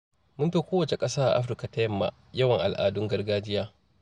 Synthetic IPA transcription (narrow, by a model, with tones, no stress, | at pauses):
mʊ˦mɸi˦kʷoː˦wɐ˨t͡ʃe˨kʼɐ˦saː˦ʔa̰˨ʔa̰˦ɸ̬ɾɪ˦ka˨ta˦jɐ˦mːa̰˨ | jɐ˦wɐ˨ŋʔa˨lʔa̰ː˨dʊ˦ŋɡɐ˦rɡaː˦d͡ʒɪ˦jaː˦